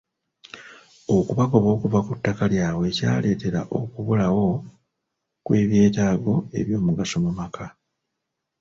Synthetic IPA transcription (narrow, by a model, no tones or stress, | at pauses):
o̞kuβako̞βo̞ːkuvakutːakaljaːwe̞ːca̰ːle̞ːte̞ɾa̰ʔo̞kuβulawo̞ | kwe̞ːβje̞ːtaːɡo̞e̞̰βjo̞ːmuɡaso̞mumakʰa